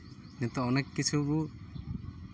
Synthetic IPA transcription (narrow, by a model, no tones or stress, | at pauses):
nɛt̪ɔɔnɛkːit͡ʃʰubu